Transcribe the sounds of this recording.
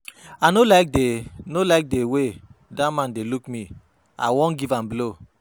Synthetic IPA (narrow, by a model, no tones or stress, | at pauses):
anolaɪk̚denolak̚dewedamãndelukmi | a̰wɔ̃nɡivãmblo